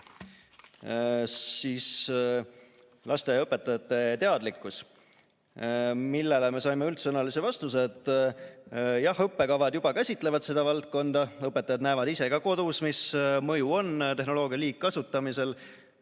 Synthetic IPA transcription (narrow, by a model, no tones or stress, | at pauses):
siːs | lʔɑst̪e̞ɤpːe̞t̪ːˑɑjɑt̪ːˑe̞t̪e̞ɑd̪likːˑus | milːe̞le̞me̞sɑjmeylt̪sɤnɑlise̞vɑst̪us̬e̞t̪ːˑ | jɑhɤpːe̞kɑvɑd̪̥jub̥ɑkæsʲit̪ˑle̞vɑd̪̥se̞d̪̥ɑvɑlt̪̚ko̞nd̪ɑɤpːˑet̪ːˑɑjɑd̪næːvɑd̪ise̞ɡ̥ɑko̞d̪usmismɤjuo̞nt̪e̞ɦno̞lo̞ːɡ̥ʲijɑliːkːɑsut̪ːˑɑmise̞l